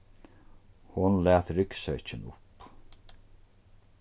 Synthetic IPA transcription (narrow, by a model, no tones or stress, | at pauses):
hʊnlæːt̪ɾʏksœt͡ʃɪnʊp